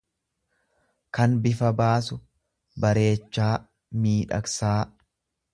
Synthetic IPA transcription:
kɐnbɪfɐbaːsʊ | bɐɾe̞ːt͡ʃːaː | miːᶑɐ̰ksaː

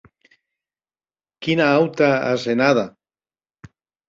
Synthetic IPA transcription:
kinaawt̪aa̰senaða

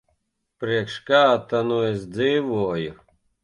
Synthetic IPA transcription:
pɾiɛkʃkaːt̪anuɛsd̪ziːvuɔjʊ

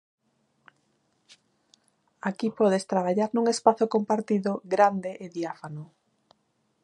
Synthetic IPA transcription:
akipɔðest̪ɾaβ̞aʎaɾnuŋespaθokompaɾt̪iðoɡɾand̪eʔeðjafano

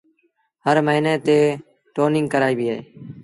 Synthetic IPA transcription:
həɾməɦiːneːt̪eː | ʈoːnɪ̃ŋɡkəɾaːiːbiːaːeː

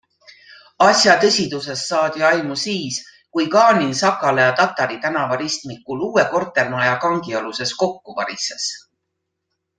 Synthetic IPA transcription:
ɑsʲjɑt̪ɤsʲid̪̥use̞sːɑːd̪̥ʲiɑjmusiːs | kujkɑːninsɑkːˑɑlejɑt̪ɑt̪ːˑɑɾit̪ænɑvɑɾist̪mikːuluːwe̞ko̞rt̪ːˑe̞lmɑjɑkɑŋɡ̥ioluse̞sko̞kːuvɑ̰ɾises

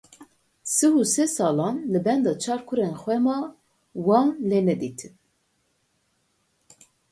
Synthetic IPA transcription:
sɨhusɛsɑːlɑːnlɨbɛnd̪ɑːt͡ʃʰɑːɾkʰuɾeːnxʷɛmɑː | wɑːnleːnɛd̪iːt̪ʰɨv

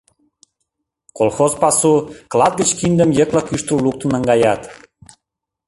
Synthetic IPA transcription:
kolxozpɑsuklˠɑt̪̚ɡət͡ɕkind̪əmjəklɑkyʃt̪ulluk̚t̪ənəŋɡɑjɑt̪

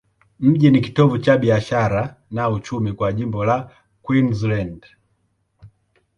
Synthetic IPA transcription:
m̩ʄiniki̥tɔvut͡ʃabiaʃaɾanaut͡ʃumikwaʄimbɔla | kwinzland

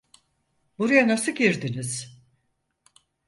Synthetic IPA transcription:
buɾujanasɯɟiɾd̪iniz̥

